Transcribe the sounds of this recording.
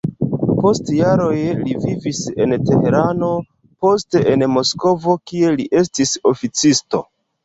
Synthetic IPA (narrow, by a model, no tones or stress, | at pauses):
po̞stjaɾo̞jlivivise̞̰nteheɾano̞ | po̞ste̞ʔenmo̞sko̞vo̞kie̞liʔe̞stiso̞fit͡sisto̞̰